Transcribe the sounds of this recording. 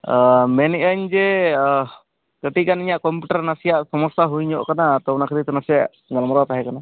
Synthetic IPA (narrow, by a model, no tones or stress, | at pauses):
mɛnɛʔaɲd͡ʒɛ | kəʈikaniɲaʔkɔmpuʈaɾnasijaʔsɔmɔst̪aɦujɲɔʔkanat̪ɔwnakʰəɾit̪ɔnasijaʔ | ɡalmɾat̪aɦɛkana